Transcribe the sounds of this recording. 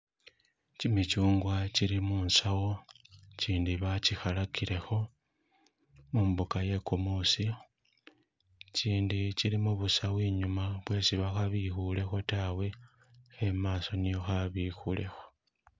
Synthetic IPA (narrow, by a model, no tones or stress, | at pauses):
cimit͡ʃuːŋɡwaciɾimuːnsawo̞ciːndiβacixalakile̞xo̞ | muːmbukaje̞kumusi | ciːndiciɾimuβusaβwiːɲumaβwe̞ːsiβaxaβixule̞xo̞tawe̞ | xemaːso̞nijo̞xaβixule̞xo̞